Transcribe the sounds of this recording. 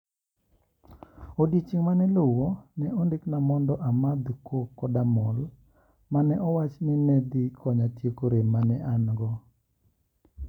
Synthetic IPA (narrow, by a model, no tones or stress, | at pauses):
odjet͡ʃiŋmanɛlʊwonɛʔondɪknamɔndɔʔamad̪ukʰokːɔdamɔl | manɛʔɔwat͡ʃnɪmed̪ikʰɔɲatjekoɾemanɛʔanɡɔ